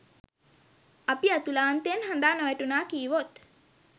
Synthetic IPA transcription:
apiat̪ulaːnt̪enɦand̪aːnoʋæʈunaːkiːʋot̪

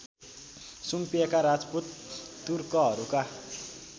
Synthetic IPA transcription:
sumpijekaɾad͡zput̪ː | urkʌɦʌɾuka

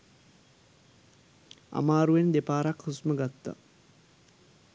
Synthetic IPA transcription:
a̰maːɾuʋend̪epaːɾakhusməɡat̪ːa̰

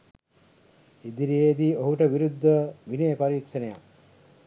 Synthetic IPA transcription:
id̪iɾijeːd̪iːoɦuʈəʋiɾud̪ʱːəʋinejːpaɾiːkʃɐnejak

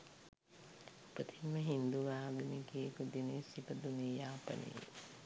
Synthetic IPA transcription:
opət̪iməɦind̪uʋaːɡunikiekud̪inesipəd̪unejaːpə̰nḛ

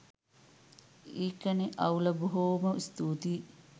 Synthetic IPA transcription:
iːkəniʔɐ̰wlɐbuɦoːmɐst̪uːt̪iː

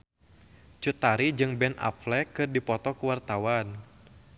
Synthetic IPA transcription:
t͡ʃut̪aɾid͡ʒɨŋbɛna̰plɛkɨrdipɔt̪ɔkuwart̪awan

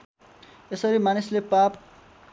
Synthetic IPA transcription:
esʌɾimanislepap̚

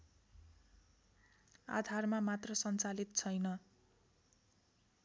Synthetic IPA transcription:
a̰d̪ʱarmamat̪rʌsʌnt͡salit̪̚t͡sʰʌjnʌ

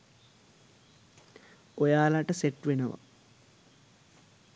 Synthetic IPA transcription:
ojaːlaʈəseʈʋenəʋa̰

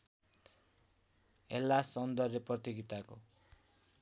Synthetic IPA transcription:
ɦḛlːasʌnd̪ʌreprʌt̪iɡit̪ako

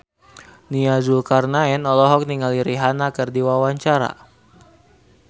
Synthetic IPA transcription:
niazulkarnaɛnɔlɔɦɔk̚niŋaliɾiɦanakɨrdiwawaɲt͡ʃaɾa̰

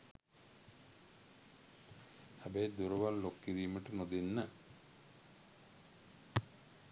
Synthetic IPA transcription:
ɐbed̪uɾɐʋalːokːiɾiːməʈɨmod̪inːə

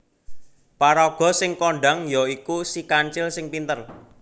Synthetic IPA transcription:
paɾɔɡ̥ɔ̤sɪŋkoɳɖa̤ŋjɔikusikaɲt͡ʃɪlsɪŋpint̪ər

